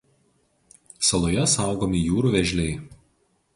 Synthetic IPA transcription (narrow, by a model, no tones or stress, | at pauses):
sɐlˠoːjɛsɑˑʊɡoːmʲijuːɾuːˑʋʲɛʒʲlʲɛɪ